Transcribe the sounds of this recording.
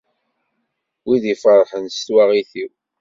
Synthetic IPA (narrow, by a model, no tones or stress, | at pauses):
wiðifəɾˤħənst̪waʁiθiw